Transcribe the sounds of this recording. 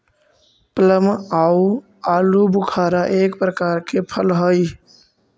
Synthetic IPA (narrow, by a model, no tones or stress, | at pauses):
pləmau | aːlubukʰaːɾaʔeːkpɾəkaːɾkepʰəlɦəj